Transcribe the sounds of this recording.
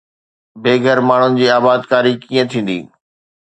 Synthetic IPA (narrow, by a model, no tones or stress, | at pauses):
bʱeːɡʱəɾmaːɳ̤ʊnɪ̆d͡ʑiːaːbaːd̪kaːɾikiːə̃t̪ʰĩːn̆d̪ḭː